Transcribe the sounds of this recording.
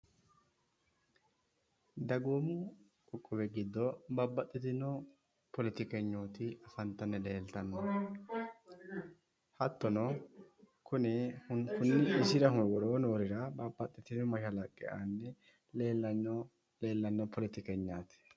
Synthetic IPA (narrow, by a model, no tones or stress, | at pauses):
d̪ɐɡoːmʊ | kʼʊkʼːɔbɛɡɪd̪ːɔbabːɐt̪ʼːɪt̪ɪnɔ | pɔlɪt̪ɪkɛɲːoːt̪ɪɐfɐnt̪ːɐnːɛle̞ːlt̪ɐnːɐ | hɐt̪ːɔnɔ | kʊnɛkʊnːɪʔːsɪɾɐɦʊwɔɾoːnoːɾɪɾɐbabːɐt̪ʼːɪt̪ɪnɔmɐʃɐlɐkʼːɛ̰ʔa̰nːɛ | le̞ːlːɐnɔ | le̞ːlːɐnːɔpɔlɪt̪ɪkɛɲːaːt̪ɪ̥